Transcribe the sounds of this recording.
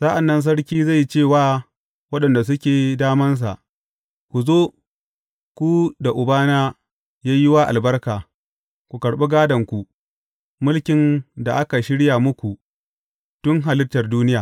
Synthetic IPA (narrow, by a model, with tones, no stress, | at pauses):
sa˦ʔa˨nːɐ˦ns̬ɐ˦ɽkʲiː˦za˦˨jt͡ʃeː˦˨waː˦ | wɐ˦ɗɐ˨nda˨s̬ʊ˦kʲeː˨daː˦mɐ˦ns̬a̰˨ʔ | kʷu˨zoː˦ | kʷu˦da˨ʔʊ˨baː˦naː˦ | jaː˦jɪ˦waː˦ʔa̰˨lbɐ˦rkaː˨ | kʷu˨kɐ˨ɽɓe˦ɡaː˦dɐ˨ŋkʷu˨ | mʊ˦lkʲɪ˨nda˨ʔa˦ka˨ʃɪ˦ɽja˨mʊ˦kʷu˨ | tʊ˦ŋɦa˨lɪ˦rtɐ˨rduː˦nɪ˦jaː˨